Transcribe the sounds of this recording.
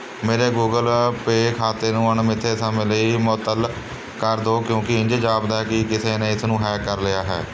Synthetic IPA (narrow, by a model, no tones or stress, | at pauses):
meːɾeːɡuːɡəlpeːkʰaːt̪eːnũːəɳmɪt̪ʰːeːsəmẽːləiːmɔːt̪ːəl | kəɾd̪oːkjõːkɪɪ̃ɲd͡ʒd͡ʒaːbd̪aɛːkɪkɪseːnẽːɪsnũːɦɛːkəɾlɪjaːɦɛ̰ː